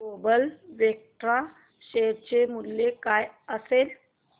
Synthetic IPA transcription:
obəlʋjek̚ʈɾa | ɕeɽt͡ɕemulːekajəsel

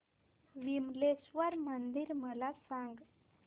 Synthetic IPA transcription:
ʋimlesʋəɾmənd̪iɾməlasaŋɡ

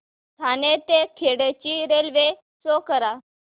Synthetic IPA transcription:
t̪ʰanet̪ekʰeɽet͡ɕiːɾelʋe | sokəɾa

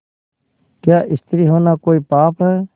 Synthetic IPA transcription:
kjaːʔɪst̪ɾiːɦoːnaːkoːiːpaːpʰɦɛː

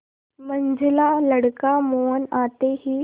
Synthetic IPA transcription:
məɲd͡zʱɪlaləɽkamoːnaːt̪eɦiː

